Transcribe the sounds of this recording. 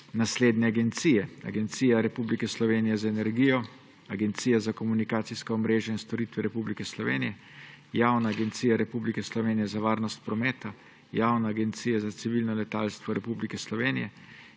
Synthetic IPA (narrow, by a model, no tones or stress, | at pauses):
nasleːd̪nɛaɡɛnt̪sijɛa̰ɡɛnt̪siːjaɾɛpublikɛslɔʋeːnijɛzaɛnɛɾɡiːjɔ | aɡɛnt̪siːjazakɔmunikaːt̪siskɔːmɾeːʒjainst̪ɔɾit̪ʋɛɾɛpublikɛslɔʋeːnijɛ | jaːwnaːɡɛnt̪siːjaɾɛpublikɛslɔʋeːnijɛzaʋaːɾnɔst̪̚pɾɔmɛːt̪a | jaːwnaːɡɛnt̪siːjazat̪siʋilnɔlɛt̪aːlst̪ʋɔɾɛpublikɛslɔʋeːnijɛ